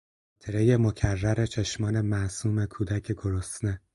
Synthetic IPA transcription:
t̪ʰeɾeje̞mo̞cʰærːæɾe̞t͡ʃʰe̞ʃmɒːne̞mæsuːme̞kʰuːd̪æcʰeɡoɾost̪ne

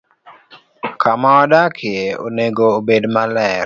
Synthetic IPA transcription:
kʰamaɔdakʰɪeo̰neɡoːbedmalɛ

